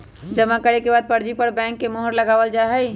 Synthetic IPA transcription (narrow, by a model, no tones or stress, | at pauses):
d͡ʒəmakəɾekebad̪̚pəɾd͡ʒipəɾbɛ̃ːŋkːemoɦəɾləɡaʋəld͡ʒaɦɛj